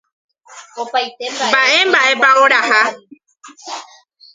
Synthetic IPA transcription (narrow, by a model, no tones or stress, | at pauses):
opajt̪embaʔe̞mbaʔe̞paʔoɾaha